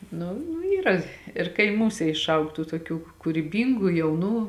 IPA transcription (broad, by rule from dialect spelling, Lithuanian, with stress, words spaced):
ˈnʊ nʊ ˈiːrɐ ɪr kɐɪˈmuːsʲɛ ɪʃˈɐʊk ˈtuː tuɔˈkʲuː kʊrʲiːˈbʲiːŋɡʊ jɛʊˈnuː